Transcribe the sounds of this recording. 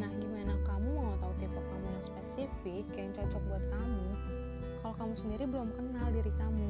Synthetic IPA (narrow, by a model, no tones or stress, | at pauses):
nahɡimanakamumat̪aut̪ip̪ɔkkamulaŋspesifɪkjaŋt͡ʃɔt͡ʃɔk̚buat̪̚kamu | kalokamusəndiɾibəlɔmkənaldiɾikamu